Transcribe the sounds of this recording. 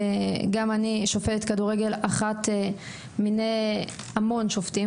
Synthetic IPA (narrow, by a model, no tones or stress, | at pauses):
ɡamaniʃofetet̪kaduʁeɡe̞laχate | minej | amo̞nʃofti